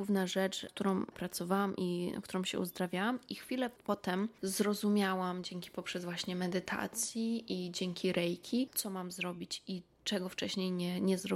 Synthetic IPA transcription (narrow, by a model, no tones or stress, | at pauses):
uvnaʐɛt͡ʂkt̪uɾɔ̃w̃pɾat̪sɔvawamʔina̰kt̪uɾɔ̃w̃ɕɛ̰ṵzd̪ɾavʲjawamixfʲilɛpɔt̪ɛmzɾɔzumʲjawamd͡ʑɛŋkʲi̥pɔpʂɛzvwaɕɲɛmɛd̪ɘt̪ʰa̰t̪sʲjiʔid͡ʑɛŋkʲiɾɛjkʲʰit̪sɔmamzɾɔbʲit͡ɕi | t͡ʂɛɡɔft͡ʂɛɕɲejɲɛɲɛzɾɔ